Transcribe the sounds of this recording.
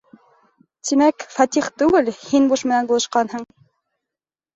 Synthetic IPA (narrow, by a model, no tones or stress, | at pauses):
t̪imækfɑt̪iχt̪ʉɡɘlhinbuʃmɘ̆nænbulˠɤ̆ʃqɑnɦɤɴ